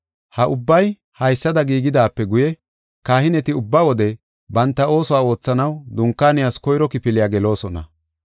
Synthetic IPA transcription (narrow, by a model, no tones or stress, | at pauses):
hɐʔʊbːɐj | hɐjsːɐd̪ɐɡiːɡɪd̪aːpːɛɡʊjɛ | kaːhɪnɛt̪ɪʊbːaːwɔd̪ɛ | bɐnt̪ːɐo̞ːsɔwaːo̞ːt͡sːɐnɐwd̪ʊŋkːaːnɪjaːskɔjɾɔkɪpɪlɪjaːɡɛlo̞ːsɔnɐ̰